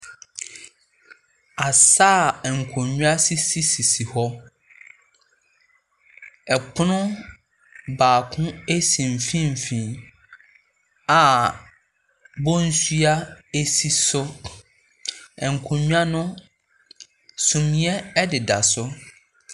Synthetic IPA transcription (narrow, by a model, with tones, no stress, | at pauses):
a˨saː˦˨ɛ˨ŋ̩˨kʰɔ̃˨ɲũ˦a˦si˦si˦si˨si˨hɔ˦ | ɛ˨pʰʊ˦nʊ̃˦ | baː˨kʰʊ̃˦e˦sĩ˨m̩˨fĩ˦m̩˨fĩ˨ | a˨ | bɔ˦n̩˦sɥa˦e˦si˦sʊ˦ | ɛ˨ŋ̩˨kʰʊ̃˨ɲᶣũ˦a˦nʊ̃˦ | sũ˨mĩ˨˦ɛ˦ɛ˦dɪ˨da˨sʊ˦